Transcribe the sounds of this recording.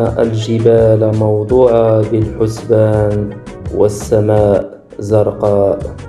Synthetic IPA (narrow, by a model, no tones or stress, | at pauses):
ʔalʒɪbaːlmɑwd̪ˤuːʕɑbɪlħʊsbaːn | wasːamaːʔ | zɑɾˤqɑːʔ